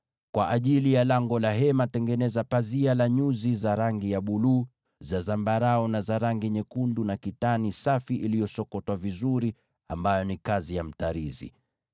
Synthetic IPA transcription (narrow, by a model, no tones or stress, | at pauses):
kwaʔaʄilijalaŋɡɔlaɦɛmatɛŋɡɛnɛzapazialaɲuzizaɾaŋɡijaɓuluː | zazambaɾaɔnazaɾaŋɡiɲɛkundunakitanisafiʔilijɔsɔkɔtwavizuɾi | a̰mbajɔnikazijam̩taɾizḭ